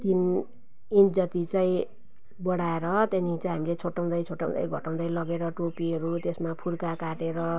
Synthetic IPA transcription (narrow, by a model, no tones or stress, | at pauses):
t̪in | ind͡zʌt̪it͡saĩ | bʌɽaeɾʌt̪enit͡saĩɦamilet͡sʰoʈːaw̃d̪ʌjt͡sʰoʈːa̰w̃d̪ʌ̰jɡʱʌʈaw̃d̪ʌjlʌɡeɾʌʈopiɦʌɾut̪esmapʰuɾkakaʈeɾʌ